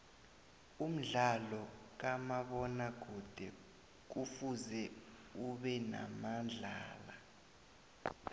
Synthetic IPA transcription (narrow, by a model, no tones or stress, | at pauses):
um̩ɮalɔk̬amaɓɔnaɡ̥ʱud̥ʱɛ | k̬ufuzɛ | uɓɛna̰mand͡ɮʱaːla